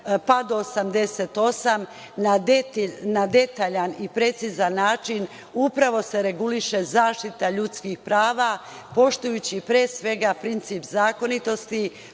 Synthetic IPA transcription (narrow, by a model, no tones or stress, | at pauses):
pad̪oːsamd̪e̞set̪o̞sam | nad̪t̪nad̪e̞t̪aːʎanipɾe̞t̪sizanːaːt͡ʃin | upɾaʋo̞se̞ɾe̞ɡuliʃe̞zaːʃt̪it̪aʎut̪skixpɾaːʋa | po̞ʃt̪ujut͡ɕipɾeːsʋe̞ɡapɾint̪sipzaːko̞nit̪o̞st̪i